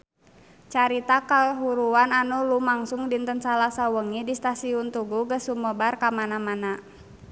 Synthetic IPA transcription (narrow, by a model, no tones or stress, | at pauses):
t͡ʃaɾit̪akaɦuɾuananulumaŋsuŋdint̪ənsalasawəŋidist̪asiunt̪uɡuɡəsuməbarkamanamana